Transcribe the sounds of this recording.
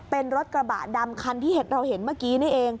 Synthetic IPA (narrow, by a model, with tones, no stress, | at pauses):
pe˧nɾo˦˥t̪̚kɾa˧ba̰˨˩t̪̚da˧mkʰa˧nt̪ʰiː˥˩he˦t̪̚ɾa˧whe˩˦nmaː˥˩kiː˦˥na˥˩ʔeː˧ŋ